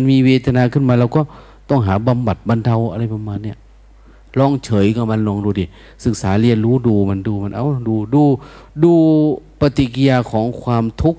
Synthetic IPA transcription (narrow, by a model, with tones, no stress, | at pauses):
nmiː˧weː˧t̪ʰa˧naː˧kʰɯ˧˥˨nmaː˧lɛː˧wkɔː˧˥˩ | t̪ɔ˧˥˩ŋɦaː˩˦ba˧mba˨˩t̪̚ba˧nt̪ʰa˧wʔa˧ɾa˧˩jpa˧maː˧nːi˧˩ə | lɔː˧˩˨ŋt͡ɕʰɤː˨˦jkɔː˧˩ma˧˨nlɔː˧˩ŋduː˧di˨˧˩ | sɯ˨˩k̚saː˨˩˦li˧˩ənɾuː˦˥duː˧ma˧nduː˧ma˧˨nʔa˧˨wduː˧duː˧duː˧pa˧t̪i˧ki˧ja˧kʰɔː˨˦ŋkʰwaː˧mt̪ʰu˦˥k̚